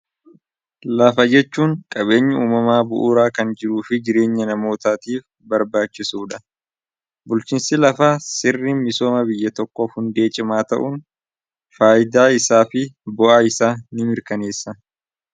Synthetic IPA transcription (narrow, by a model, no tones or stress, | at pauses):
lafɐd͡ʒɛt͡ʃːuːŋkʼɐbe̞ːɲːɐuːmɐmaːbʊʔuːɾaːkɐnd͡ʒɪɾuːfɪd͡ʒɪɾe̞ːɲːɐnɐmo̞ːt̪aːt̪iːf | bɐɾbaːt͡ʃːɪsuːᶑɐ | bʊlt͡ʃiːnsɪlɐfaːsɪrːiːnmɪso̞ːmɐbɪjːɐt̪ɔkːɔfhʊnd̪e̞ːt͡ʃʼɪmaːt̪ɐ̰ʔʊn | faːjɪd̪aːɪsaːfɪbɔʔaːɪsaːnɪmɪɾkɐne̞ːsːɐ